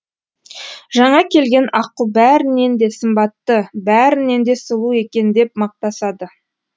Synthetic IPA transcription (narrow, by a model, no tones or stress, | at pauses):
ʒɑɴɑkʲʰe̞lɡʲe̞nʔɑqəlˠbæɾɪne̞nd̪e̞səmbɑt̪ːəbæɾɪne̞nd̪e̞səlˠue̞kʲe̞nd̪e̞p̚mɑq̚t̪ɑsɑd̪ə